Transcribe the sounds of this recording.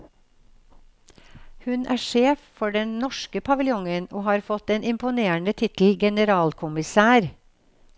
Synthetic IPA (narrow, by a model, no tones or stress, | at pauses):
hʉnʔæ̰ːʂeːffɔɖɛnnɔʃkəpʰɑʋɪljʊŋəno̰ːhɑːɾfɔt̪ɛːnɪmpʊneːəɳət̪ʰɪt̪l̩ɡɛnəɾɑːlkʰʊmɪsæːɾ